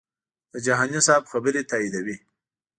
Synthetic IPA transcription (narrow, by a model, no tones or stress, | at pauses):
d̪̥əd͡ʒaɦɑnisɑbxabəɾet̪ɑid̪awi